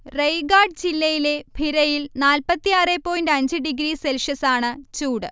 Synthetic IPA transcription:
rejɡaːɖ̚d͡ʑilːɐjile̞bʱiɾɐjilnaːlpɐt̪ːijaːrepːo̞ːjindɖɐɲd͡ʑɨɖiɡɾiːselʂɐsaːɳɨt͡ɕuːɽɨ

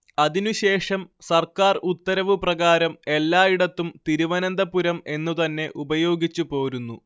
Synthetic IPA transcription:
ɐðinuɕe̞ːʂɐmsɐrkaːrut̪ːɐɾɐʋɨprɐɣaːɾɐme̞lːaːiɽɐt̪ːumt̪iɾuʋɐnɐnd̪ɐpuɾɐme̞nːut̪ɐnːe̞ʔubɐjo̞ːɡit͡ɕːupo̞ːɾunːu

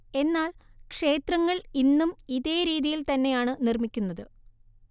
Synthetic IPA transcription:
e̞nːaːlkʂe̞ːt̪rɐŋːɐɭinːumiðe̞ːɾiːðijilt̪ɐnːe̞jaːɳɨnirmikʲːunːɐðɨ

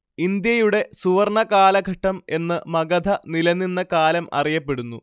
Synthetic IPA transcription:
ind̪jɐjuɽe̞suʋɐrɳɐkaːlɐɡʱɐʈːɐme̞nːɨmɐɡɐd̪ʱɐnilɐnːinːɐkaːlɐmɐ̰rijɐpːe̞ɽunːu

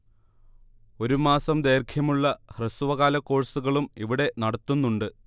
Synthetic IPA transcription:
o̞ɾumaːsɐmd̪e̞ːrkʰjɐmuɭːɐhresuʋɐɣaːlɐkːo̞ːɻsuɣɐɭumiʋiɽe̞nɐɽɐt̪ːunːuɳɖɨ

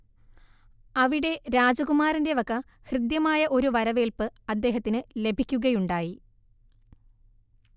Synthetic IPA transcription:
ɐʋiɽe̞ɾaːd͡ʑɐɣumaːɾinde̞ʋɐkːɐ | hrɨd̪jɐmaːjɐʔo̞ɾuʋɐɾɐʋe̞ːlpɨɐd̪ːe̞ːɦɐt̪ːinɨle̞bʱikʲːuɣɐjuɳɖaːji

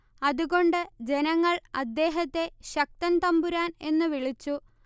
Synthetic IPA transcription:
ɐðuɣo̞ɳɖɨd͡ʑe̞nɐŋːɐɭɐd̪ːe̞ːɦɐt̪ːe̞ɕɐk̚t̪ɐnt̪ɐmbuɾaːne̞nːɨʋiɭit͡ɕːu

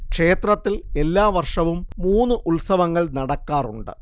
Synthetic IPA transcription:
kʂe̞ːt̪rɐt̪ːile̞lːaːʋɐrʂɐʋumːuːnːɨʔulsɐʋɐŋːɐɭnɐɽɐkːaːruɳɖɨ̰

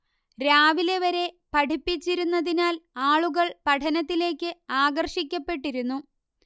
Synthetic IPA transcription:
ɾaːʋile̞ʋɐɾe̞pɐʈʰipːit͡ɕːiɾunːɐðinaːlaːɭuɣɐɭpɐʈʰɐnɐt̪ːile̞ːkːɨaːɡɐrʂik̬ʲːɐpːe̞ʈːiɾunːu

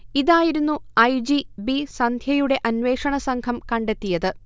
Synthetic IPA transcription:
iðaːjiɾunːuɐjd͡ʑibisɐnd̪ʱjɐjuɽe̞ʔɐnʋe̞ːʂɐɳɐsɐŋkʰɐmkɐɳɖe̞t̪ːijɐðɨ

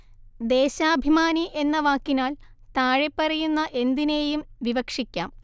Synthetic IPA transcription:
d̪e̞ːɕaːbʱimaːniʔe̞nːɐʋaːkːinaːl | t̪aːɻepːɐrɐjunːɐʔe̞nd̪ine̞ːjumʋiʋɐkʂikʲːaːm

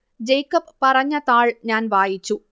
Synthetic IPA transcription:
d͡ʑejkːɐppɐrɐɲːɐt̪aːɭɲaːnʋaːjit͡ɕːu

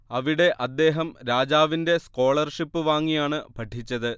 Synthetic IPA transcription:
ɐʋiɽe̞ʔɐd̪ːe̞ːɦɐmɾaːd͡ʑaːʋinde̞sko̞ːɭɐrʂipːɨʋaːŋːijaːɳɨpʰɐʈʰːit͡ɕːɐðɨ

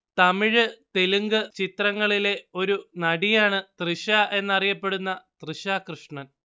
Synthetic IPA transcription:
t̪ɐmiɻɨt̪eluŋɡɨt͡ɕit̪rɐŋːɐɭile̞o̞ɾunɐɽijaːɳɨt̪rɨɕaʔe̞nːɐrijɐpːe̞ɽunːɐt̪rɨɕakrɨʂɳɐn

